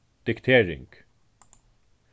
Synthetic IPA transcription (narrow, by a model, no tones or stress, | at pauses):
d̪̥ɪkt̪ʰeːɾɪ̰ŋɡ̥